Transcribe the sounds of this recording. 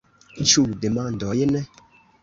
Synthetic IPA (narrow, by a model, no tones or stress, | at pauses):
t͡ʃudemãn̩dɔjenɛ